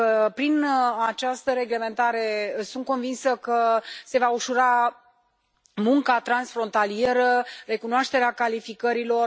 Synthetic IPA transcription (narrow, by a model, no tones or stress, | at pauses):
əpɾinat͡ʃast̪əɾe̞ɡle̞me̞nt̪aɾe̞sunt̪̚ko̞nvinsəkəse̞vauʃuɾa | muŋkat̪ɾansfɾo̞nt̪alie̞ɾəre̞kunoaʃt̪e̞ɾeakalifikəɾilo̞r